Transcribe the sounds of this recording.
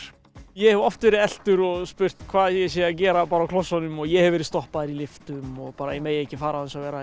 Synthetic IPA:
jɛhɛvɔft̪vɛːɾɪðɛl̥t̪ʏɾɔɣspʏr̥t̪kʰvaːðjɛsɛacɛːɾapaːɾaːwkl̥ɔsːanʏmɔɣjɛɣhɛvɛɾɪðst̪ɔhpaðɪɾilɪft̪ʏmɔɣpaːɾaimɛjehcːɪfaːɾahansavɛːɾa

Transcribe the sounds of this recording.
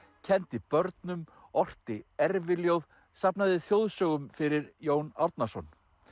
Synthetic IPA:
cʰɛnt̪ɪpœɾt̪nʏmɔr̥t̪ɪɛɾvɪljowð | sapnaðɪθjowðsœːɣʏmfɪɾɪɾjoːwnaɾt̪̚nasɔn

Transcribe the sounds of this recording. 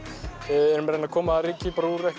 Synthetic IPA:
ɛɾʏmɾɛnakʰɔːmaaɾiːcɪpɾuːɾɛh

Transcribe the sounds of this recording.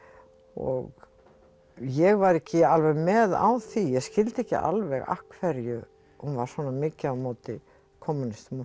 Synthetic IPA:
ɔ̰ɣ | jɛɣvaɾɛhcɪalvɛɣmɛða̰wθijɛɣscɪlt̪ɪɛhcɪ̰ʔa̰lvɛɣa̰hkʰvɛɾjʏ | hunvaɾ̥svɔːnamɪːcɪawmoːwt̪ɪ | kʰɔmːʏnɪst̪m

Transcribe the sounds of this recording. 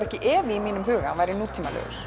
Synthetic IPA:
ɛhcɪʔɛːvɪimiːnʏmɦʏːɣaʋajɾɪnuːt̪ʰiːmalœ̰ɾ

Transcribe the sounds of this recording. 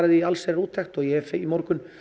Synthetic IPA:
ɾaðɪalsɛɾɾuːt̪ʰːɛxt̪ɔɣjɛɛfimoɾkʏn

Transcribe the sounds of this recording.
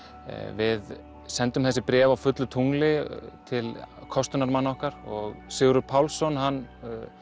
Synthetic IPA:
vɪð | sɛnt̪ʏmθɛsːɪpɾɛːvawfʏt̪lʏt̪ʰuŋlɪt̪ʰɪlkʰɔst̪ʏnaɾmanːaɔhkaɾɔɣsʏɣɾʏɾpʰawlsːɔnɦanː

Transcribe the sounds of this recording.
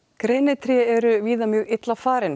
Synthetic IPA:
kɾeːjnɪt̪ʰɾjɛɛɾʏviːðamjœːɣɪt̪lafaːɾɪn

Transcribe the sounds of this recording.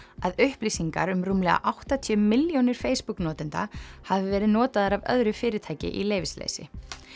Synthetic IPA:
aðʏhplisiŋka̰ɾʏmruːmlɛɣa̰ʔawht̪at̪ʰiʏːmɪljownɪɾ̥feːjspuknɔːt̪ɪnt̪a̰havɪvɛːɾɪðnɔːt̪aðaɾavœ̰ðɾʏfɪːɾɪt̪ʰaːjcɪ̰ʔileːjvɪslḛːjsɪ̰

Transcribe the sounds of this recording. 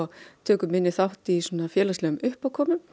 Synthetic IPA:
t̪ʰøːkʏmɪnːɪθawht̪isoːnafjɛːlaslɛːʏmʏhpawkʰɔːmʏm

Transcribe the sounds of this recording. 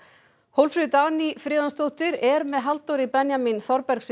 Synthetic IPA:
howlfɾɪðt̪aːnifɾɪːðanst̪owht̪ɪɾɛɾmɛðɦalt̪owɾipɛnjaminθɔɾpɛɾs

